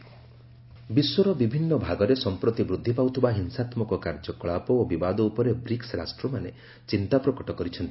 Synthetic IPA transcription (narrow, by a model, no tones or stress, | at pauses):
biswɔɾɔbibʱinːɔbʱaɡɔɾesɔmpɾɔt̪ibɾud̪ʱːipawt̪ʰibaɦinsat̪mɔkɔkaɾd͡ʒɔkɔɭapɔobibad̪ɔupɔɾebɾiksɾasʈɾɔmane | t͡ʃint̪apɾɔkɔʈɔkɔɾit͡ʃʰɔnt̪i